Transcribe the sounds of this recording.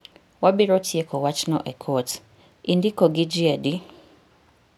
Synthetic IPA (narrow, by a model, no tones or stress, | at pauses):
wabiɾɔtʰiekɔwat͡ʃnɔʔɛkʰɔt | indikɔɡid͡ʒiɛdi